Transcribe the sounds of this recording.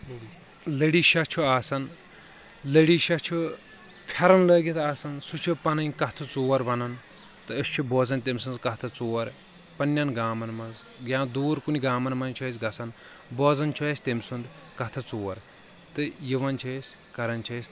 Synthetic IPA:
ləɽiːʃɐt͡ʃʰuaːsɐn | ləɽiːʃɐt͡ʃʰu | pʲʰɐɾɐnlɐːɡʲit̪ʰaːsɐnsut͡ʃʰupɐnɐnʲkɐt̪ʰɨt͡soːɐɾʋɐnɐn | t̪ɨɐst͡ʃʰuboːzɐnt̪emsɨnzkɐt̪ʰɐt͡soːɐɾ | pɐnʲːɐnɡaːmɐnmɐnz | ɡʲjãːnd̪uːɾkuniɡaːmɐnmɐnt͡ʃʰɐs̬ɡɐsɐn | boːzɐnt͡ʃʰoɐsʲt̪emsund̪ | kɐt̪ʰɐt͡soːɐɾ | t̪ɨjiʋɐnt͡ʃʰɐsʲ | kɐɾɐnt͡ʃʰɐs

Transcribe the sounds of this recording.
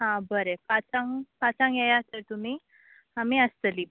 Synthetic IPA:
ɦãbəɾepat͡sãŋpat͡sãŋjajat̪əɾt̪umiː | amiːəst̪əli

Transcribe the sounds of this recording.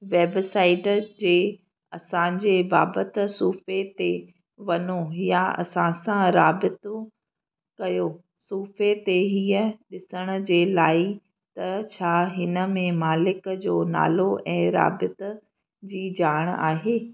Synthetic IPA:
ʋeːbsaːɪʈd͡ʑeː | ɐsãd͡ʑeːbaːbət̪̆suːfet̪e | ʋɐnoɦijaɐ̰sãsãɾaːbɪt̪o | kɐjoː | suːfet̪eɦiːəɗɪsəɽ̃əd͡ʑeːlaːi | t̪ɐt͡ɕʰaːɦɪnə̆mẽmaːlɪkd͡ʑoːna̰ːloʔɛ̃ːɾa̰ːbɪt̪ | d͡ʑiːd͡ʑaːɽ̃a̰ːɦeː

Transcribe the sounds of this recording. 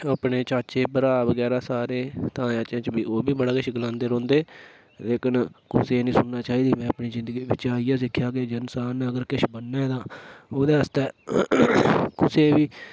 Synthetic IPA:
aːpɳeːt͡ʃaːt͡ʃeːbəɾaːʋəɡɛːɾaːsaːɾeːt̪ãːãːt͡ʃãːt͡ʃbiːoːbiːbəɽaːkɪʃɡəlãːnd̪eːɾõːnd̪eː | leːkənkʊseːnĩːsʊnːaːt͡ʃaːɦiːd̪iːmɛ̃ːəpniːzɪ̃nd̪əɡiːbɪt͡ʃaːijaːsɪkʰːjaːɡeːd͡ʒənsaːnəɡəɾkɪʃbənːɛːd̪aːoːd̪eːɦəst̪eː | kʊseːʋiː

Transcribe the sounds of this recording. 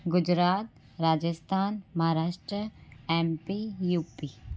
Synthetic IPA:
ɡʊd͡ʒɾaːt̪̚ | ɾaːd͡ʒəst̪ʰaːnmɐɦaːɾaːʃʈɾəɛːmpijuːpiː

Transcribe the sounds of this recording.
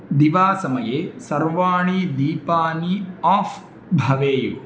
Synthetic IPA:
d̪iʋaːsɐmɐjeːsɐɾʋaːɳid̪iːpaːniaːf | bʱɐʋeːjo

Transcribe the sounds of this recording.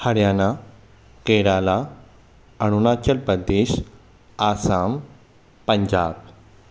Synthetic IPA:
həɽjana | keɽala | əɽ̃unat͡ɕəlpəd̪ːeːɕ | asam | pəɲd͡ʑa̰ːb

